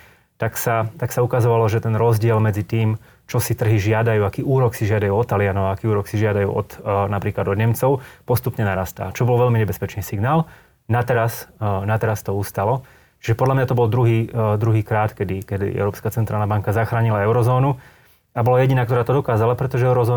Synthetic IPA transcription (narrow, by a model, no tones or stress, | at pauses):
t̪aksat̪aksaukazɔʋalɔʒɛt̪ɛnɾɔzɟɪɛlmɛd͡zit̪iːm | t͡ʃɔsit̪r̩ɦiʒɪad̪ajuːakiːuːɾɔksiʒɪad̪ajuːɔt̪ːalɪanɔʋaakiːuːɾɔksiʒɪad̪ajṵːʔɔ̰t̪napɾiːklad̪ɔd̪ɲɛmt͡sɔʊpɔst̪upɲɛnaɾast̪a̰ːt͡ʃɔbɔlʋɛlmiɲɛbɛspɛt͡ʃniːsiɡnaːl | nat̪ɛɾasnat̪ɛɾast̪ɔuːst̪alɔ | ʒ̥ɛpɔd̪lamɲat̪ɔbɔld̪ɾuɦiːd̪ɾuɦiːkɾaːt̪kɛd̪ikɛd̪ḭʔɛ̰ʊɾɔːpskat͡sɛnt̪ɾaːlnabaŋkazaxɾaːɲilaɛʊɾɔzɔːnu | abɔlajɛɟinaːkt̪ɔɾaːt̪ɔd̪ɔkaːzalapɾɛt̪ɔʒɛɛʊɾɔzɔː